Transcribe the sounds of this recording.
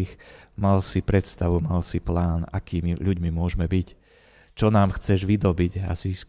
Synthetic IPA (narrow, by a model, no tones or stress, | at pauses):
xmalsipɾɛt̪st̪aʋumalsiplaːna̰kiːmiʎuɟmimʊɔʒmɛbic | t͡ʃɔnaːmxt͡sɛʒʋid̪ɔbiɟa̰ziːsk